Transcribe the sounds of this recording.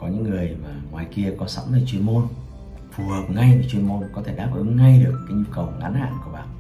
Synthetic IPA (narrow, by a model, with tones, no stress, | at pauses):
kɔ˨˦ɲɨ̰˧˥ŋːɨ˨˩əjmaː˨˩ŋwaː˨˩jki˧əkɔ˨˦sa̰˧˦mtəː˨˩t͡ɕwi˧ənmo˧n | fu˨˩həː˨˩p̚ŋa˧jəː˨˩t͡ɕwi˧ənmo˧nkɔ˨˦t̪ʰe˧˩ɗaː˦˥p̚ʔɨ̰˨˦ŋŋa˧jɗɨ˨˩əkːaː˨˦jɲu˧kə˨˩wʔa̰˨˦nha̰ː˧˨nku˧˩əɓaː˨˩